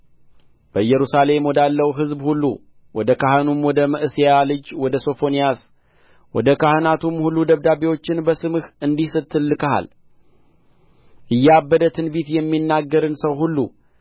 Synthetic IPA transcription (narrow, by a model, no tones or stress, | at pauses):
b̥əɨjːɛɾusale̞mwɔd̪alːəwɦɨzbhulːṵ | wɔd̪əkaɦənumwɔd̪əməʔɨsijalɨd͡ʒwɔd̪əso̞fo̞nijas | wɔd̪əkahɨnat̪ʰumhulːud̪əβd̪abewo̞t͡ʃːɪnbəsɨmɨhɨnd̪isɨt̪ʰːɨlːɨkəɦa̰l | ʔɨjːabːəd̪ət̪ʰɨnbit̪jɛmːinːaɡːəɾɨnsəwɦulːṵ